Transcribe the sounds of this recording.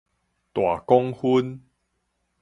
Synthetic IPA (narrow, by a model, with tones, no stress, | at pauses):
t̪wa˨˩kɔ˦ŋhu˦n